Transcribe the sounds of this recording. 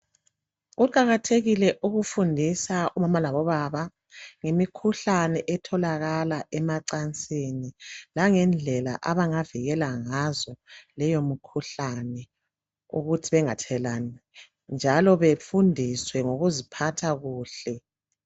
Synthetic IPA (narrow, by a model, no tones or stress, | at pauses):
ɣuǃaɣatʰeɣilɛʔuɣufundʱisaʔumamalaβɔβaβa | ŋemikʰuɬanɛʔɛtʰɔlaɣalaʔɛmaǀant͡sʼenilaŋɛnd͡ɮʱɛla̰ʔaβaŋaviɣɛlaŋazɔlɛjomukʰuɬanɛ | ṵɣutʰiβɛŋatʰɛlanɛ | nd͡ʒʱalɔβefundʱiswɛŋoɣuzipʰatʰaɣuːɬɛ